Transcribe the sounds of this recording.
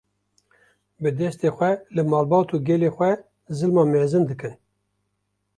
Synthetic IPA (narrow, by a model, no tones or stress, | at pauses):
bɨd̪ɛst̪eːxʷɛlɨmɑːlbɑːt̪uːɡʲɛleːxʷɛ | zɨlmɑːmeːzɨnd̪ɨkɨn